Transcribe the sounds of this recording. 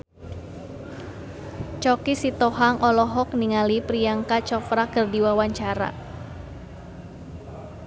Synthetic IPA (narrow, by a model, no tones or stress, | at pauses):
t͡ʃɔkisit̪ɔɦaŋʔɔlɔɦɔk̚niŋalipɾijaŋkat͡ʃɔfɾakərdiwawaɲt͡ʃaɾa̰